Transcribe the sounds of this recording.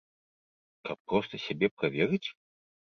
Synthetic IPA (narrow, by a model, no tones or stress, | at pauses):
kapːɾɔst̪ɐsʲabʲɛpɾavʲɛɾɨt͡sʲ